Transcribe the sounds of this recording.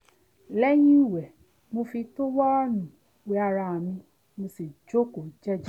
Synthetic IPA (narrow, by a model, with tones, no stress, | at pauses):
lɛ˦j̃ĩ˦i˦˨wɛ˨ | mo˧fi˧to˦wɔ˦nũ˨ | we˨˦a˧ɾa˧a˨mĩ˧ | mo˧si˨d͡ʒo˦ko˨d͡ʒɛ˦d͡ʒ